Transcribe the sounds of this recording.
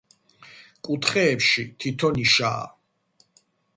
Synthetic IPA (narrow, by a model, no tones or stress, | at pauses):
kʼut̪ʰχɛːpʃit̪ʰit̪ʰɔniʃa̰ː